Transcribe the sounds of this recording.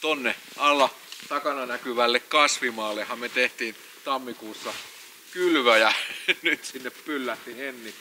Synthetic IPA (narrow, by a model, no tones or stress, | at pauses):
t̪onːeʔɑlːˑɑ | t̪ɑkɑnɑnækyʋælːekkɑsʋimɑːlːehˑɑmmet̪eht̪iːn | t̪ɑmːikuːsːɑ | kylʋæjænyt̪sinːeppylːæt̪ːihenːi